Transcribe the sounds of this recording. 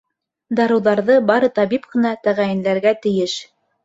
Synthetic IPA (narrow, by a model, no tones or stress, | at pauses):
d̪ɑɾɤ̆wðɑɾðɤbɑɾɤt̪ɑβipqɤ̆nɑt̪æʁæjɘ̆nlæɾɡæt̪ɘ̆jɘʃ